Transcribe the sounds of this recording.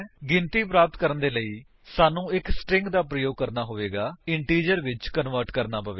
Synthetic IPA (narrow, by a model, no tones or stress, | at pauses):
ɡɪnt̪iːpɾaːpət̪kəɾənd̪eːləiː | saːnũːɪksʈɾɪ̃ŋɡd̪aːp̬ɾəjoːɡ̚kəɾnaːɦoːʋeːɡaːɪɳʈiːd͡ʒəɾʋɪt͡ʃkənʋəɾʈkəɾnaːpəʋeː